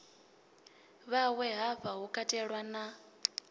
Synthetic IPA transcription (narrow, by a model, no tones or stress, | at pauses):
βawɛɦaɸaɦukʼatʼɛɺwana